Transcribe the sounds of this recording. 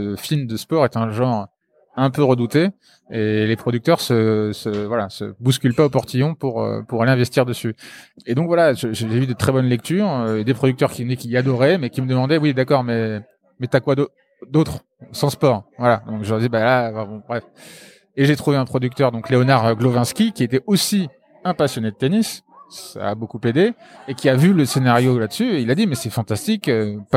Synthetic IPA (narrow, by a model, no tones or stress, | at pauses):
əfind̪əspɔʁet̪ɛ̃ʒɑ̃ʁ | ɛ̃pøʁəd̪ut̪eː | lepχɔd̪yk̚t̪œʁsəsəvwalasə̰buskʲylpaopɔʁt̪ijɔ̃puʁø̰puʁaleɛ̃vɛst̪iʁd̪əsyed̪ɔ̃kvwalaʒəʒeʒevyd̪ət̪χɛbɔnlɛk̚t̪yːʁed̪epχɔd̪ykt̪œʁkʲivnɛkʲiad̪ɔʁɛmɛkʲiməd̪əmɑ̃d̪ɛwid̪akɔʁmɛ | mɛt̪yakwad̪o | d̪ot̪χ | sɑ̃spɔʁvwalad̪ɔ̃kʒəəʁd̪ibalafɛ̃bɔ̃bʁɛf | eʒet̪χuveɛ̃pχɔd̪yk̚t̪œʁd̪ɔ̃kleɔnaʁɡlovɛ̃skʲikʲiet̪ɛʔosi | ɛ̃pasjɔned̪ət̪enis | ssa̰ːbokuped̪eekʲiavyləsenaʁjolad̪əsyeilad̪imɛsɛfɑ̃t̪ast̪ikøpa